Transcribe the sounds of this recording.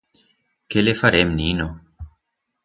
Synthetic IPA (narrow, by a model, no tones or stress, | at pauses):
kelefaɾemnino